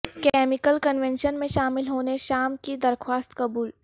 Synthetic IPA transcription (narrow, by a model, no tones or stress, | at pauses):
kɛːmɪkəlkənʋɛ̃nʃənmẽʃaːmɪlɦoːneʃaːmkid̪ɐɾxʰwaːst̪kɐbuːl